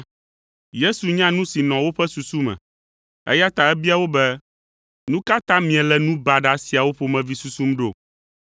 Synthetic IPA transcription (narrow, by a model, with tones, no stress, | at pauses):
je˦su˨ɲã˦nũ˦si˨nɔ̃˨wo˦ɸɛ˦su˨su˦mɛ̰̃˨ | ɛ̰˦ja˦t̪a˨ɛ˦bi˦a˨wo˦bɛ˦ | nũ˦ka˦t̪ã˦mĩ˨ɛ̃˨lɛ˨nũ˦ba˨ɖa˨si˨a˨wo˦ɸo˨mɛ̃˨vi˦su˦su˦mɖo˦˨